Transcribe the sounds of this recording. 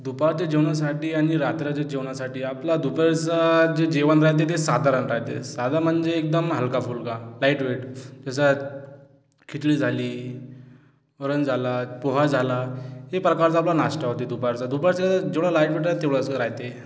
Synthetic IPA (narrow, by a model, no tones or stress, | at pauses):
d̪upaɾt͡ɕed͡ʑewɳjas̬aʈiːaɽ̃iɾat̪ɾjat͡ɕed͡ʑewɳjasaʈiːaplad̪upaɾt͡sad͡ʑed͡ʑeʋanɾaɦt̪̬et̪̬esad̪ʱaɾənɾaɦt̪ḛsad̪am̤əɳd͡zeːk̚d̪əmɦəlkafuːlkalaiʈʋeʈd͡ʑas̬a | kʰit̪liːd͡zʱaliː | əɾənd͡zʱalapoɦad͡zʱalaɦepɾəkaɾt͡saplanasʈaɦot̪ed̪upaɾt͡sad̪upaɾsad͡ʑeʋɽalaiʈʋeʈat̪eʋɽat͡sɾaɦt̪e